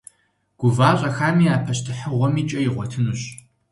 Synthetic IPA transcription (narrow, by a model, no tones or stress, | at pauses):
ɡ̥ʷʊvaːɕʼɐxaːmiːaːpʰɐɕtʰɨħəʁʷɔmiːt͡ʃʼɐjɪʁʷɔtʰɨnuɕ